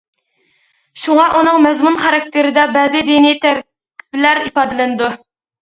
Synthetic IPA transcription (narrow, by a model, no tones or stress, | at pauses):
ʃuŋɑʔunɨŋmɛzmunχɑɾɑk̚ʲt̪ʰɪɾɪd̪ɛbɛːzɪd̪inijt̪ʰæɾkʲ | i̥plæɾipɑːd̪ɨlɪnɨd̪u